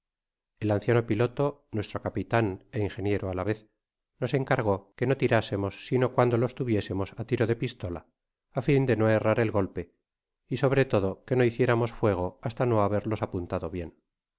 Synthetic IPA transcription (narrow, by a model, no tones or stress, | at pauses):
elanθjano̞pilo̞t̪o̞nwe̞st̪ɾo̞kapit̪aneiŋxe̞nje̞ɾoalaβe̞θ | no̞se̞ŋkaɾɣ̞o̞ke̞no̞t̪iɾase̞mo̞sːino̞kwand̪olo̞st̪uβje̞se̞mo̞sat̪iɾoðe̞pist̪o̞la̰ː | find̪e̞no̞e̞raɾe̞lɣo̞lpe̞ | iso̞βɾe̞t̪o̞ðo̞ke̞no̞iθje̞ɾamo̞sfwe̞ɣ̞o̞ast̪ano̞aβe̞ɾlo̞sapunt̪aðo̞βje̞n